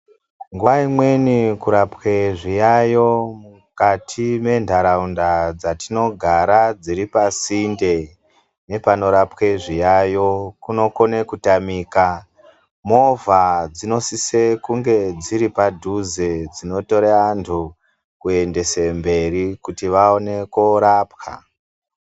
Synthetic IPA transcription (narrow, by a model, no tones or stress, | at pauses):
ŋɡuʋaimwe̞nikuɾapweʐijajo̞mu | katʰime̞ndʱaɾaundad͡zatino̞ɡʱaɾad͡ziɾipasinde̞ | ne̞pano̞ɾapkeʐijajo̞kuno̞konekutamiːka | mo̞vʱad͡zino̞sisekuŋɡe̞d͡ziɾipadʱuzed͡zino̞to̞ɾeantʰu | kue̞nde̞sembe̞rikutiʋaone̞koɾaːpka̰